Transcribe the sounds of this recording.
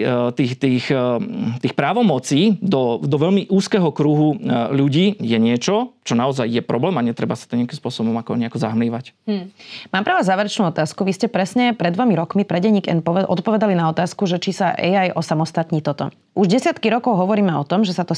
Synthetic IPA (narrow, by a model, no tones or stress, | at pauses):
t̪iːxt̪iːxt̪iːxpɾaːʋɔmɔt͡siːd̪ɔd̪ɔʋɛʎmiʔuːskɛːɦɔkɾuɦuʎuɟiːjɛɲɪɛt͡ʃɔt͡ʃɔnaɔzajjɛpɾɔblɛːmaɲɛt̪ɾɛbasḁt̪ɔɲɪakimspʊɔsɔbɔmakɔ̰ɲɛakɔza̰ɦmliːʋac | maːmpɾɛʋazaːʋɛɾɛt͡ʃnuːɔt̪aːskuʋiscɛpɾɛsɲɛpɾɛd̪ʋɔmiɾɔkmipɾɛɟɛɲiːɡɛ̰npɔʔɔ̰t̪pɔʋɛd̪alinaɔt̪aːskuʒɛt͡ʃisaʔɛ̰jajʔɔsamɔst̪at̪ɲit̪ɔt̪ɔ̰ | uʒɟɛsɪat̪kiɾɔkɔʊɦɔʋɔɾiːmɛɔt̪ɔmʒɛsat̪ɔ